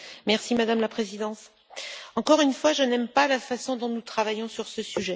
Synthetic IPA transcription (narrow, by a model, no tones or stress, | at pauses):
mɛʁsimad̪amlapχezid̪ɑ̃t̪ | ɑ̃kɔʁynfwaʒənɛmpalafasɔ̃d̪ɔ̃nut̪χavajɔ̃syʁsəsyʒɛ